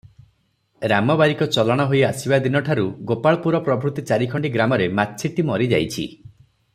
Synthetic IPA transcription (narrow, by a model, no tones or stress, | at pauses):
ɾamɔbaɾikɔt͡ʃɔlaɽ̃ɔɦojasibad̪inɔʈʰaɾuɡopaɭɔpuɾɔpɾɔbʱɾut̪it͡ʃaɾikʰɔɳɖiɡɾamɔɾemat̪sʰiʈimɔɾid͡ʒa̰jt͡ʃʰḭ